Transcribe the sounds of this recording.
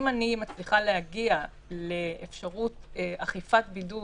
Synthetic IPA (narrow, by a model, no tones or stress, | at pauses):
manimat͡sliχalehaɡia | leːfʃaʁutaχifatbidu